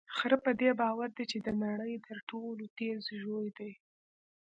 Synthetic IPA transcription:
xəɾəpəd̪ebɑwaɾd̪et͡ʃed̪ənaɽəjt̪ʰəɾʈolot̪ezʒojd̪aj

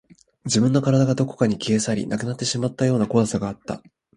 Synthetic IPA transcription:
d͡ʑibɯ̟̃nːo̞kaɾad̪aɡad̪o̞ko̞̥kaɲ̟ikʲeːsaɾʲḭnakɯ̟nat̪ːe̞ɕimat̪ːajo̞ːnako̞asaɡaːt̪ːa̰

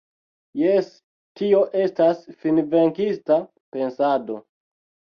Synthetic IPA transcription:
jes | tio̞ʔe̞stasfinveŋkista | pe̞nsado̞

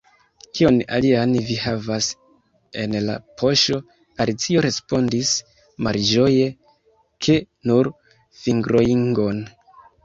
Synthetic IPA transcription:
kio̞na̰lianvihavas | e̞nla̰pʰo̞ʃo̞ | aɾit͡sio̞ɾe̞spo̞ndis | malʒo̞je̞ | kʰe | nuɾ | fiŋɡɾo̞iŋɡo̞n

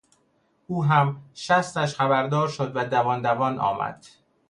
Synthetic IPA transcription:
ʔuːɦæmʃæst̪æʃχæbæɾd̪ɒːɾʃod̪væd̪ævɒːnd̪ævɒːnʔɒ̰ːmæ̰d̪̥

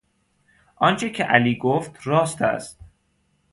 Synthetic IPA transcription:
ʔɒnt͡ʃʰecʰeʔæliːɡoft̪ɾɒːst̪ʰæ̰st̪̚

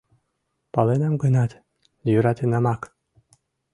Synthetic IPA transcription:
pɑlenamɡənɑt̪ | jyɾat̪enɑmɑk

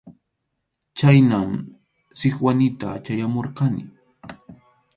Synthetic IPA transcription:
t͡ʃajnam | sɪχwanɪt̪a̰t͡ʃajamoɾqɑnɪ̰

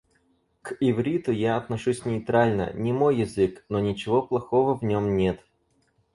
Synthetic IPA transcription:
kɪvɾʲit̪ʊjaɐt̪nɐʂusʲnʲɪːt̪ɾalʲnə̰nʲɪmo̞jːɪzɨknonʲɪt͡ɕɪvo̞plˠɐxovəvnʲomnʲe̞t̪

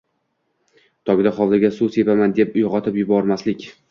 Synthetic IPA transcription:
t̪ʰɒɡʲɪd̪aχɒlˠd̪ɪɡʲasuse̞pamand̪e̞pʊjʁɒt̪ʰɪpjʊbɒɾmaslɪkʲ

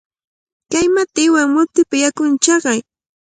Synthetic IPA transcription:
kajmat̪ɪwaŋmʊt̪ɪpajakʊnt͡ʃɑɢɑj

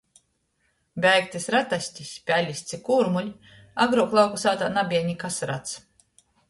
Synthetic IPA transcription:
bʲɛjkt̪isɾat̪asʲtʲisʲpʲælʲisʲt̪sikuɾmulʲ | aɡɾuɔklˠawkusaːt̪aːnabʲiɛɲikasɾat̪s

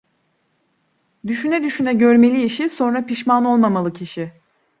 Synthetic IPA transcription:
d̪yʃynɛd̪yʃynɛɟø̞ɾme̞lʲiːʃiso̞nɾapiʃmano̞lˠmamalˠɯcʰiʃɪ

